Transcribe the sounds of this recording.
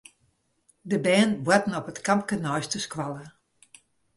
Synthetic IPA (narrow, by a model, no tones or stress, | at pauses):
dəbɛːnbwatn̩ɔpətkampkənɔjstəskwalˠə